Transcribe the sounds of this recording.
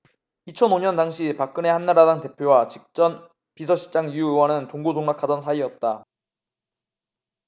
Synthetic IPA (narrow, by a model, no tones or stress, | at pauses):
it͡ɕʰʌnoɲʌndaŋɕʰipak̚k͈ɯne̞hanːaɾadaŋte̞pʰjowat͡ɕik̚t͡ɕ͈ʌn | pisʰʌɕʰi̥t͡ɕ͈aŋijuewʌnɯntoŋɡodoŋnakʰadʌnsʰaiʌt̚t͈a